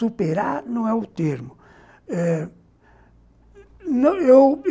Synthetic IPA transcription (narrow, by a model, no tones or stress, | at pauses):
upeɾaɾnɐ̃w̃ɛʊt̪eɾmʊ | ɛ | nɐ̃ew